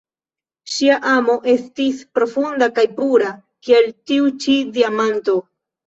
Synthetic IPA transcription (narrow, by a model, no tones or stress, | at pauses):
ʃiaʔamo̞ʔe̞stispɾo̞fundakajpuɾa | kieltiut͡ʃidiamanto̞